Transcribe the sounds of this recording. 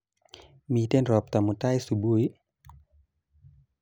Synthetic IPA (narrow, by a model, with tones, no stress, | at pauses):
miː˧˦t̪e˥˨nɾɔː˧˦p̚t̪a˧˨mu˧t̪a˥˨jsu˧bu˧˦j